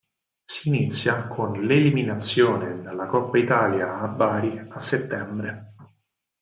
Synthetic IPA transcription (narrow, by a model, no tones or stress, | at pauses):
siːnit̪sːjakʰonleliminat̪sːjoːned̪alːakɔpːait̪aːljaːbːaːɾiasːet̪ːɛmbɾe